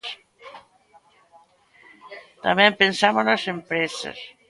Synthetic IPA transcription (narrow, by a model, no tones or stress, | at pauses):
s | t̪a̰mempensamanəsempɾɛsə̰s